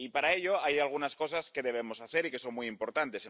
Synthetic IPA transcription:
ipaɾae̞ʎo̞ajalɣ̞unasko̞saske̞ðe̞β̞e̞mo̞saθe̞ɾike̞so̞nmijimpo̞ɾt̪ant̪e̞se

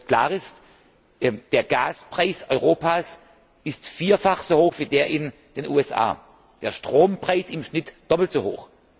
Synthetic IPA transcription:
kl̥aːʁɪst | ʔɛd̥eːɐɡaːspʁ̥aɪsʔɔʏʁoːpaːs | ɪstfiːɐfaχz̥oːhoːxv̥iːdeːɐʔɪnd̥eːnʔuːɛsʔa̰ː | d̥eːɐʃtʁ̥oːmpʁ̥aɪsɪmʃnɪtd̥ɔpl̩tz̥oho̰ːx

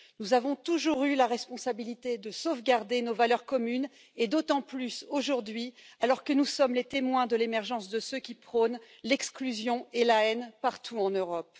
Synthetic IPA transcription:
nuzavɔ̃t̪uʒuʁylaʁɛspɔ̃sabilit̪ed̪əsovɡaʁd̪enovalœʁkɔmyn | ed̪ot̪ɑ̃plysoʒuʁd̪ɥialɔʁkənusɔmlet̪emwɛ̃d̪əlemɛʁʒɑ̃sd̪əsøkʲipχɔn | lɛksklyzjɔ̃elaɛnpaʁt̪ʰuɑ̃nøʁɔp

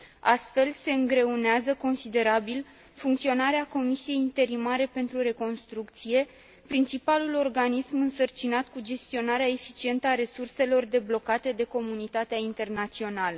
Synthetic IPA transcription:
ast̪fe̞lse̞ɨŋɡɾe̞uneazəko̞nsid̪e̞ɾabil | fuŋkt̪sio̞naɾeako̞misije̞jint̪e̞ɾimaɾe̞pe̞nt̪ɾuɾe̞ko̞nst̪ɾuk̚t̪sije̞ | pɾint͡ʃipalulo̞rɡanismɨnsərt͡ʃinat̪kud͡ʒe̞st̪io̞naɾeae̞fit͡ʃie̞nt̪əaɾe̞surse̞lo̞rd̪e̞blo̞kat̪e̞d̪e̞ko̞munit̪at̪eaint̪e̞rnat̪sio̞nalə

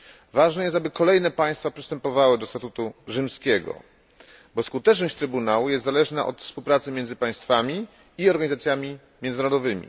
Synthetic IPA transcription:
vaʐnɛjɛst̪abɘkɔlɛjnɛpaj̃st̪fapʂɨst̪ɛmpɔvawɘd̪ɔst̪at̪ut̪uʐɘmskʲɛɡɔ̰ | bɔskut̪ɛt͡ʂnɔɕt͡ɕt̪ɾɘbunawujɛst̪zalɛʐnaʔɔ̰t̪fspuwpɾat̪sɘmjɛnd̪zɘpaj̃st̪famʲi | iɔɾɡaɲizat̪sʲjamʲi | mʲjɛnnaɾɔd̪ɔvɘmʲḭ

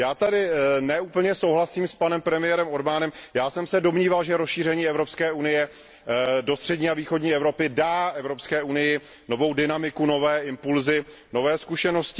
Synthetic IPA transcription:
jaːt̪adɪnɛʔuːpl̩ɲɛso̞wɦlasiːmspanɛmpɾɛmɪjɛɾɛmoɾbaːnɛmjaːsɛmsɛdo̞mɲiːvalʒɛɾosʃiːr̝ɛɲiːɛvɾopskɛːunɪjɛ | do̞st̪r̝̥ɛdɲiːaviːxo̞dɲiːɛvɾo̞pɪdaːʔɛvɾo̞pskɛːunɪjɪ | no̞vo̞wdɪnamɪkuno̞vɛːɪmpulzɪ | no̞vɛːskuʃɛno̞scɪ

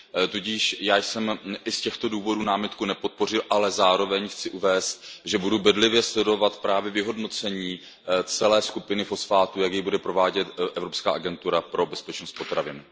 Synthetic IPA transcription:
t̪uɟiːʃjaːjsɛmʔɪscɛxt̪o̞duːvo̞duːnaːmɪt̪kunɛpo̞t̪̚po̞r̝ɪlʔalɛzaːɾo̞vɛɲxt͡sɪʔuvɛːst̪̚ʒɛbudubɛdlɪvjɛslɛdo̞vat̪pɾaːvjɛvɪɦo̞dno̞t͡sɛɲiː | t͡sɛlɛːskupɪnɪfo̞sfaːt̪ujakjibudɛpɾo̞vaːɟɛt̪ʔɛvɾopska̰ːʔaɡɛnt̪uɾapɾo̞bɛspɛt͡ʃnost̪̚po̞t̪ɾavɪnɪ

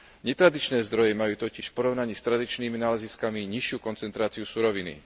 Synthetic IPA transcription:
ɲɛt̪ɾad̪it͡ʃnɛːzd̪ɾɔjɛmajuːt̪ɔciʃfpɔɾɔʊnaɲiːst̪ɾad̪it͡ʃniːminaːlɛziskamiɲiʃɪukɔnt͡sɛnt̪ɾaːt͡siusuɾɔʋinḭ

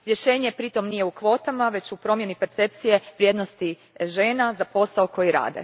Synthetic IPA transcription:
ɾje̞ʃe̞ːɲe̞pɾit̪o̞mnije̞ukʋo̞ːt̪amaʋe̞t͡ɕupɾo̞mje̞nipe̞ɾt̪se̞p̚t̪sije̞ʋɾje̞d̪nost̪i | ʒe̞ːnazapo̞saoko̞jiɾa̰ːd̪e̞̰

